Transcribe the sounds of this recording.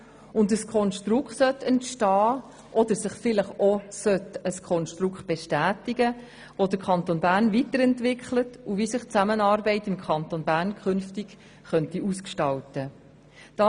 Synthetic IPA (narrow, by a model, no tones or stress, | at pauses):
ʊndəskʰɔnʃtɾʊkχtsœtɛntʃtɑː | ʔɔd̪əɾsɪχfɪləχɔsœtəskʰɔnʃtɾʊkχt̚b̥ɛʃtæːtiɡə | ʋodəɾkʰɑnt̪onbæːɾnvitəɾɛntʋɪkχlətuvisɪχt͡sæmənɑːɾbɛɪtɪmkʰɑntonbæːɾnkχʏnftik | χœntiuskʃtɑltə | d̥ɑ